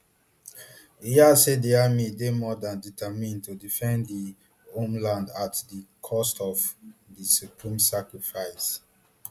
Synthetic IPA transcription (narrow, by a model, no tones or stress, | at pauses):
iasedeamidemɔdãnditʰamĩntudifɛ̃ndi | õmlãndatdikʰɔstɔvdisupʰɹĩmsakɹifaɪs